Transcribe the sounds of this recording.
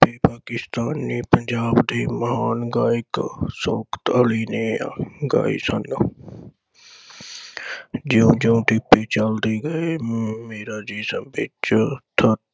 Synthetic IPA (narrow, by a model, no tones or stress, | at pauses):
pepaːkɪst̪aːnːipəɲd͡ʒaːbd̪ʱiːmɐɦaːnɡaːiksoːkt̪əliːneːjaɡa̰ːḭsən | d͡ʒiũd͡ʒoũʈɪpːet͡ʃald̪eɡəemeːɾad͡ʒiːsə̃mbɪt͡ʃt̪ʰət̪